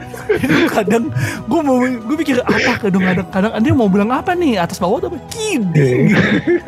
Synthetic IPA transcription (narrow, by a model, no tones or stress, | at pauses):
dikadaŋɡuamawɡuapikɪrapakadaŋkadaŋkadaŋadɛmawbilaŋapaniat̪asbawat̪apakidɛɡ